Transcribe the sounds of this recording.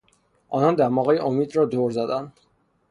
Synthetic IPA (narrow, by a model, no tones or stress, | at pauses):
ʔɒːnɒnd̪æɾmɒːɣejeʔomiːd̪ɾɒːd̪oɾzæd̪ænd̪